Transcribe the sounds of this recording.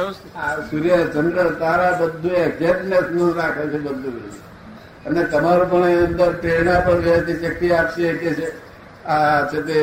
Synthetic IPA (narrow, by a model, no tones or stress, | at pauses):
asuɾijəd͡ʒəɳɖɾət̪aɾabəd̪ʱːũeɡzepnesnũɾakʰət͡ʃʰebəd̪ʱu | ənet̪əmaɾũpəɳeənd̪əɾʈenapəɳʋet̪iʃək̚t̪iapʃeket͡ʃe | ad͡ʒet̪e